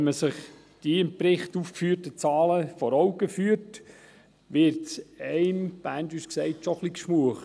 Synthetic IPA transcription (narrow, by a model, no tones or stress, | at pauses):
nməsəχ | d̥iɪmpɾɪχtufkfyːtət͡sɑːləfɔɾɔʊɡəfyːəɾt | ʋɪɾtsɛɪmb̥æːntʋyʃksɛɪtʃɔχlikʃmuəχ